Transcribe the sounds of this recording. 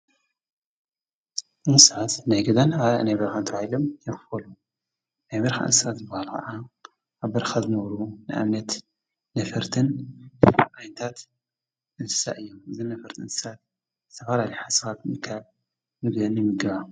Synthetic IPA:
ʔɨnsat̪najɡɐd̪anaa̰najbɐɾxant̪ʰɐβahilomjɨɾfɐlu | najβɐɾxa̰ʔɨ̰nsat̪zɨbːahalkʰɐ̰ʔa | ʔaβbɐɾxazɨnɐβɾunɨʔa̰mnɐt̪ː | ɐfɐɾt̪ʰɨn | aʔajnt̪ʰat̪ | ʔɨnsɨ̥sa̰ʔɨjːomɨzɨnːɐfɐɾt̪iɨ̰nsɨ̥sat̪̚ | zɨt̪ʰɐfalaliħasxat̪mɨkʰaβ | mɨβnɨmɨɡɐβa

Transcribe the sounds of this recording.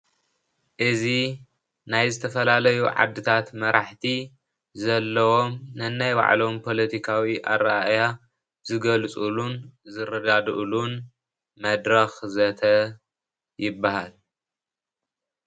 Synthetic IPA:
ʔɨzi | najzɨt̪ʰɐfɐlalɐjuʕa̰d̪ːɨt̪ʰat̪mɐɾaħt̪ʰi | zɐlːɐwo̞mnɨnːajba̰ʕlo̞mpʰo̞lɐt̪ʰikʰawiʔa̰ɾaja | z̥ɨɡɐlt͡sʼulunzɨrɐɡ̪ad̪ʔlun | mɐd̪ɾɐxzɐt̪ʰɐ | jɪbːahal

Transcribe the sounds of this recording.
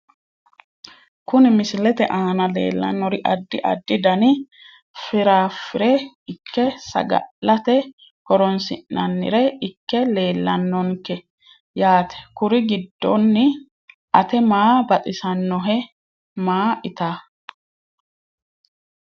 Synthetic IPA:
kʊnɪmɪsɪlɛt̪ɛʔaːnɐlḛːlːɐ̰nːɔɾɪʔɐd̪ːɪʔɐ̰d̪ːɪd̪ɐnɪ | fɪɾaːfɪɾɛ | ɪkːɛsɐ̰ɡɐ̰ʔɐt̪ɛ | hɔɾɔnsɪ̰nːɐnːɪ̰ɾɛɪkːɛle̞ːlːɐnːɔŋkɛ | jaːt̪ʰɛ̥kʊɾɪɡɪd̪ːɔnːɪ | ʔɐt̪ɛmaːbɐt̪ʼɪsɐnːɔɦɛ | maːʔɪt̪aː

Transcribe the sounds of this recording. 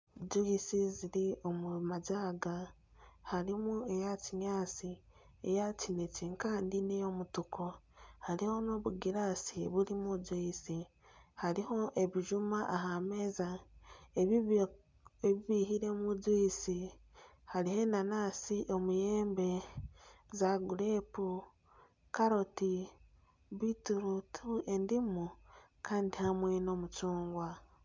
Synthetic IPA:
d͡zuisiziɾio̞mumazaːɡa | haɾimue̞jaciɲaːt͡si | ejacineciŋkaːndinejo̞mutukʰo | haɾiho̞no̞βuɡiɾasiβulimuzuisi | haɾiho̞ʔe̞βiʒumaʔaɦamezaeβ | eβiβiːhiɾe̞mud͡zwisi | halihe̞nanasiʔo̞mujeːmbe̞ | zaɡulepu | kaɾo̞ti | βituɾutʰue̞ndimu | kʰaːndihamweːno̞ːmut͡suːŋɡwa

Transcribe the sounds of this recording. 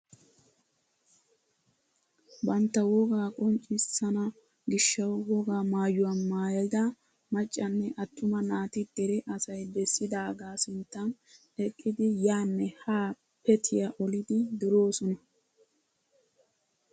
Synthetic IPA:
bɐnt̪ːɐwɔɡaːkʼɔnt͡ʃʼːɪsɐnɐ | ɡɪʃːɐwwɔɡaːmaːjʊwɐmaːjlɪd̪ɐ | mɐt͡ʃʼːɐnːɛʔɐt̪ːʊmɐnaːt̪ɪd̪̥ɛɾɛʔɐsɐjbɛsːɪd̪aːɡaːsɪnt̪ːɐn | ɛkʼːɪd̪ɪjaːnːɛhaː | pɛt̪ʰɪjaʔɔlɪd̪ɪd̪ɔɾoːsɔnɐ

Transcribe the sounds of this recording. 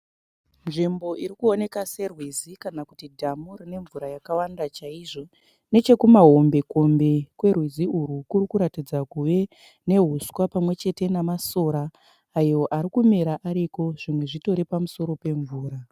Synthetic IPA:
nʐimbo̞ʔiɾikuone̞kase̞rwizikanakutidʱamorine̞ɱvuɾajakawandat͡ʃaiʐo̞ | ne̞t͡ʃe̞kumaɦo̞mbe̞ko̞mbe̞kwe̞rwiziurukurikuɾatid͡zakuʋe̞ | ne̞ɦuswapamwe̞t͡ʃe̞te̞namaso̞ɾaː | jo̞ʔaɾikumeɾaʔaɾiko̞ʐimwe̞ʐito̞ɾepamuso̞ɾo̞pe̞ɱvuːɾa

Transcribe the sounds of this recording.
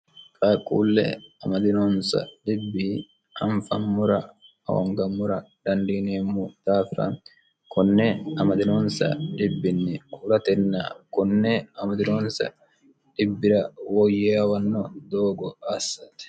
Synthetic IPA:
kʼaːkʼːṵːlːɛ̰ɐmɐd̪ɪnoːnsɐ̰ᶑɪbːi | hɐɱfɐmmːʊɾɐ | ɐ̰wɐ̰ŋɡɐmːʊɾɐd̪̥ɐnd̪iːneːmːut̪aːfɪɾɐ̰n | kʰɔnːɛɐmɐd̪ɪnoːnsɐ̰ᶑɪbːɪnːɛkʼʊːɾɐt̪ɛnːa̰ːkʊnːɛɐmɐd̪ɪnoːnsɐ̰ | ᶑɪbːɪɾɐwɔjːeɐwɐnːɔd̪oːɡɔɐsːɐt̪ɛ̥

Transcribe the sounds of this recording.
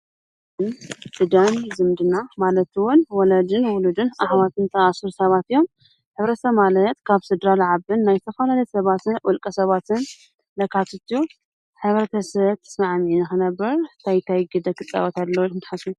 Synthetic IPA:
ɨnd̪ɨd̪ɐmzɨmd̪ɨnamalɐt̪wʊnwɔlɐd̪ɨnwʊlud̪ɨnaħwat̪ʰɨnt̪ʰɐʔasɨɾsɐβat̪ɨjo̞m | ħɨβɾɐt̪ʰɐmalɐt̪kʰaβsɨd̪ɾalʕaβɨnːajt̪ʰɐfɐlalɐjsɐβat̪ɨnʔʊlkʼɐsɐβat̪ʰɨn | lɐkʰat̪ʰɨt̪ʰiju | ħɨβɾɐt̪ʰɐsɐβt̪ʰɨ̥smaʕmʕinɨxɨnɐbːɐɾt̪ʰajt̪ʰajɡɨd̪ɐkʰɨt͡s̪ʼːɐ̰βat̪ʰad̪lɐwɨnt̪ħasnu

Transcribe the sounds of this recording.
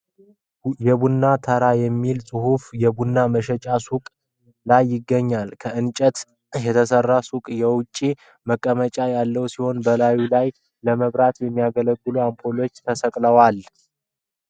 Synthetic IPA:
jɛbunːat̪ʰəɾajɛmːilsʼɨɦufjɛbunːaməʃɛt͡ʃʼasukʼ | lajːɪɡːəɲːalkʰəɨnt͡ʃʼət̪ | jɛt̪ʰəsərːasukʼjɛwʊt͡ʃʼːi | məkʼːəmət͡ʃʼajalːəwsiho̞nbəlajulaj | ləməβɾat̪jɛmːijaɡələɡːɨluampʰolo̞t͡ʃːt̪ʰəsəkʼləwal

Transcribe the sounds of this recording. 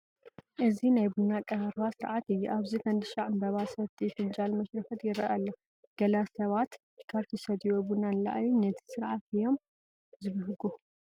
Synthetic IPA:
ʔɨzinajbunːakʼɐɾbasɨɾʕat̪ɨjːuʔaβzifɐnd̪ɨʃaʕɨnb̪ɐβasɐβt̪ʰʼifɨnd͡ʒʼalmɐʃɾɐfɐt̪ʰjɪɾɐ̰ʔalːɐ | ɡ̥ɐlasɐβat̪ | kʰaɾt̪ʰɛsɐd̪iwobunanlɐ̰ʔajunɐt̪ʰi̥sɨɾʕat̪ɨjo̞m | zɨβɐɦɨɡu

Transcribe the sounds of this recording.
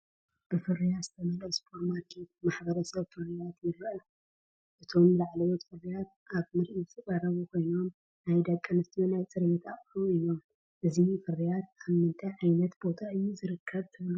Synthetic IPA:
b̥ɨfɨrijazɨt̪ʰɐmɐlɐspʰoɾmaɾkʰet̪̚maħbɐɾɐsɐβfɨrijat̪jɪɾʔɐ | ʔɨt̪ʰo̞mlaʕlɐwot̪fɨrijat̪ | aβmɨɾʔisʰɨkʼaɾɐβukʰo̞jno̞m | najd̪ɐkʼːɐnɨst̪ʰijonajt͡sʼɨɾjet̪ʰaχʼɾuɨjno̞m | ʔɨzifɨrːijat̪aβmmɨnt̪ʰɐʕajnɐt̪bo̞t̪ʰaɨjːuzɨɾɨkʰːɐβt̪ʰɨβlu

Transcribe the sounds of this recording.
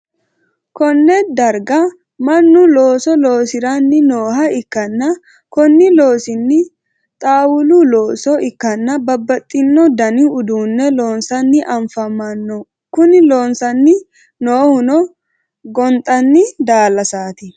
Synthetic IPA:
kɔnːɛd̪ɐɾɡɐ | mɐnːʊlo̞ːsɔloːsɪɾɐnːɪnoːɦɐɪkːɐnːɐ | kɔnːɪlo̞ːsɪnːɪ | t̪ʼaːwʊlʊlo̞ːsɔɪkːɐnːɐbɐbːɐt̪ʼːɪnːɔd̪ɐnɪʊd̪uːnːɛlo̞ːnsɐnːɪʔɐɱfɐmɐnːɔ | kʊnɪlo̞ːnsɐnːɪ | noːhʊnɔ | ɡɔnt̪ʼɐnːɪd̪aːlːɐsaːt̪ɪ

